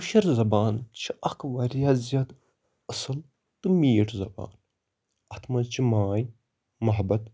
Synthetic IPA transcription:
uʃɐɾzɐbaːnt͡ʃʰiʔɐkʰʋɐɾʲjazijat̪ | ɐsɨl | t̪ɨmiːʈzɐba̰ːn | ɐt̪ʰmɐt͡ʃʰimaːj | mɐɦbɐt̪

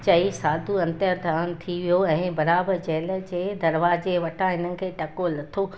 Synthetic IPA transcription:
t͡ɕɐisaːd̪ʱuɐ̃nt̪əɾd̪ʱaːəɽ̃̆t̪ʰiʋijoɛ̃ːbɐɾaːbəɾd͡ʑɛːləd͡ʑeːd̪ɐɾʋaːzeʋɐʈʰãɦɪnənɪ̆kʰeːʈɐkolɐt̪ʰo

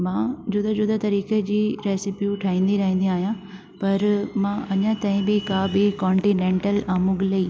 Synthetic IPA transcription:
mãːd͡ʑʊd̪əd͡ʑʊd̪ət̪ɐɾiːked͡ʑiːɾeːsɪpijuʈʰaːĩːn̆d̪iɾɐɦĩnd̪iaːɦijã | pɐɾmãːɐɲə̃t̪aːɦĩbɪkaːbɪkɔ̃ːɳʈinẽːɳʈəlaːmʊɡlɐiː

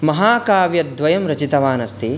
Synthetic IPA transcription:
mɐɦaːkaːʋjɐd̪ʋɐjɐmɾɐt͡ʃit̪ɐʋaːnɐst̪ʰi

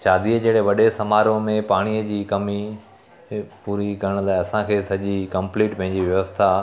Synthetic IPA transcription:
ʃaːd̪iəd͡ʑeːɽeʋɐɗesɐmaːɾõmẽpaːɽ̃iəd͡ʑiːkɐmi | puːɾikɐɾəɽ̃laːɪɐsãkʰeːsɐʄikɐ̃mpliːʈpɐ̃ɦɪ̃ɲd͡ʑiʋjɐʋəst̪ʰa

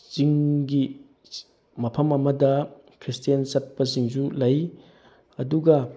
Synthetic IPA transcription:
t͡ʃiŋɡi | mɐpʰɐmɐmɐdɐ | kʰɾistijɐnsɐt̚pɐsiŋsulɐj | ɐduɡɐ

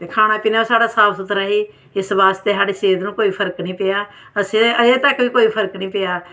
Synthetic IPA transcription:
t̪eːkʰaːñaːpɪnːoːsaːɽaːsaːbsət̪ɾəɦiː | ɪsbaːst̪eːsaːɽeːʃeːd̪nũːkoːiːpʰəɾəknĩːpeːaː | əsĩəeːt̪əkʋiːkoːiːpʰəɾknĩːpeːaː

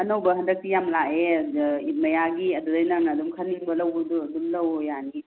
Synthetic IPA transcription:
ɐnowbɐɦɐndɐk̚tijamlaʔeimɐjaɡiɐdudɐjnɐŋnɐːdumkʰɐniŋbɐlɐwbduɐdumlɐwjani

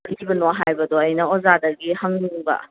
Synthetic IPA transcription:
ɾibɐnoɦajbɐdɔɐjnɐozadɐɡihɐŋnɯŋbɐ̰

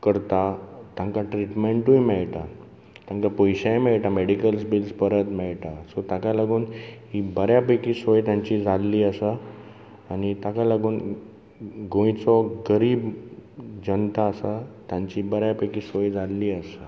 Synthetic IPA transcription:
kəɾt̪at̪ãŋkaʈɾiʈmeɳʈũjmɛɭʈa | t̪ãŋkapojɕajmɛɭʈameɽikəlsbilspəɾət̪mɛɭʈasɔt̪ãkalaɡuːnhibəɾjapəkisɔjt̪jãɲt͡ɕid͡zalːiːəsa | anit̪akalaɡuːn | ɡõĩt͡sɔɡəɾiːb | d͡ʑənt̪aːsat̪jãɲt͡ɕibəɾjapəkiːsojd͡zalːiːəsa

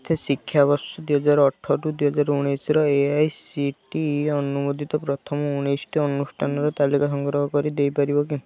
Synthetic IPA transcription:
t̪ʰesikʰjabɔsɔd̪uɦɔd͡ʒaɾɔʈʰːɔʈud̪uɦɔd͡ʒaɾuɽ̃esɾɔeajsiʈiɔnumod̪ʱit̪ɔpɾɔt̪ʰɔmɔuɽ̃esʈiɔnusʈʰanɔɾɔt̪alikasɔŋɡɾɔɦɔkɔɾid̪ejpaɾibɔk̬i

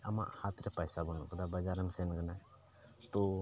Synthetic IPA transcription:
ama̰ʔhat̪ɾɛpajsabɔnɔ̰ʔkad̪abad͡ʒaɾəmsɛnkana | t̪ɔ

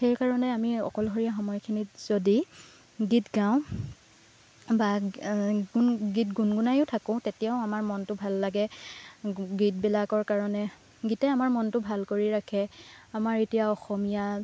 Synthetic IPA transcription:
xejkaɹɔnɛamiɔ̰kɔlɦɔɹijaxɔmɔjkʰinitzodi | ɡitɡãʊ̃ | ba | ɡɡit̚ɡunɡunajʊtʰakɔ̃ʊ̃tetijaʊ̃amaɹmɔntʊbʱalːaɡɛ | ɡit̚bɛlakɔɹkaɹɔnɛ | ɡitɛamaɹmɔntʊbʱalkoɹiɹakʰɛamaɹetijaɔxɔmija

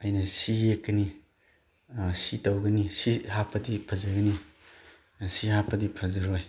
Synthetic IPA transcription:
ɐjnɐsijekːɐni | sitɐwɡɐnisihapʰɐdipʰɐzɐɡɐni | sihapʰɐdipʰɐzɐɾoj

